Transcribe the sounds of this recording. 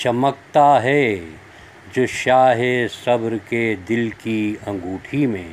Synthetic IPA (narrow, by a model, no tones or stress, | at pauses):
t͡ʃɐmək̚t̪aɦɛ | d͡ʒoːʃaːɦesɐbɾked̪ɪlkiɐ̃ŋɡuːʈʰimḛ̃